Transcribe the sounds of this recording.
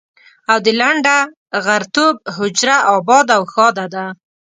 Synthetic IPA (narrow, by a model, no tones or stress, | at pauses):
awd̪əlaɳɖa | ɣaɾt̪ob̚ɦʊd͡ʒɾaʔɑbɑd̪awxɑd̪ad̪a